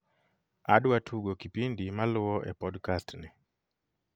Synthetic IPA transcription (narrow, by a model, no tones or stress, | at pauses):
aɗuwatʰuɡɔkipindimaluwɔʔɛ̰pɔɗkastni